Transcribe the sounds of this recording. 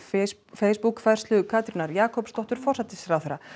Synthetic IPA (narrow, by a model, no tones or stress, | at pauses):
feːjspukfɛ̥st̪lʏʏkʰaːt̪ɾinaɾjaːkʰɔwpst̪ɔht̪ʏɾ̥fɔr̥sɛt̪ɪsɾawθɛɾːa